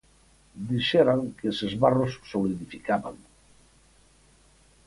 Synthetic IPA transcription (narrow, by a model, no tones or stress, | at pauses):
d̪iʃeɾaŋkesezβarosːoliðifikaβaŋ